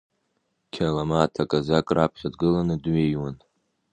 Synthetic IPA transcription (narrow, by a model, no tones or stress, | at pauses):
kʲʰalamatʰakʼazakʼrapʰχʲadɡɨlanɨdɥejwan